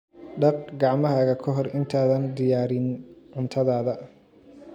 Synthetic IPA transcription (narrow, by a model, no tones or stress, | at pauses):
ɖɑq̚ɡɑʕmɐɦɐɣɐkʰɔɦɔrɪnt̪ʰaːðɐnd̪ɪjaːɾɪnʕʊnt̪ʰɐðaːðɐ